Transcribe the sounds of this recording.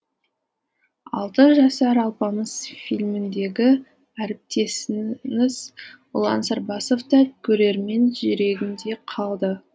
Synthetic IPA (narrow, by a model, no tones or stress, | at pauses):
ɑ̰lˠt̪əʒɑsɑɾɑlˠpɑməz̥filʲmɪnd̪e̞ɡʲɪ | æɾɪp̚t̪e̞sɪnɪz̥ | ʊlˠɑ̰nsɑɾbɑso̞ft̪ɑkʲʰɵɾe̞ɾme̞nʒʏɾe̞ɡʲɪnd̪e̞qʰɑlˠd̪ə